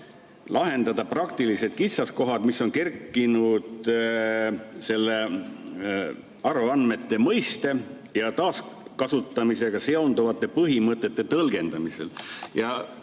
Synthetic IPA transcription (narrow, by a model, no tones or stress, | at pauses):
lɑɦe̞nd̪̥ɑd̪̥ɑprɑkt̪ilise̞d̪̥̚kit̪sɑsko̞ɦɑd̪misːo̞nke̞rkˑːinud̪̥ | se̞lːe̞ | ɑɾuɑnme̞t̪ːe̞mɤjst̪e̞ | jɑt̪ɑːskɑsut̪ːˑɑmise̞ɡ̥ɑse̞ond̪uvɑt̪ːˑe̞pɤɦimɤt̪ːˑe̞t̪ːˑe̞t̪ɤlɡ̥e̞nd̪̥ɑmise̞̰ljɑ